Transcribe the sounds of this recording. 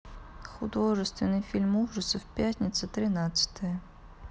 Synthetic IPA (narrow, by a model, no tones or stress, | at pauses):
xʊd̪ɔʐɨst̪vʲɪnɨjfʲilʲmuwʐɨsɐfpʲjatʲnʲisʲɐt̪ɾɪnat͡sʲɐ̥t̪ɐjɐ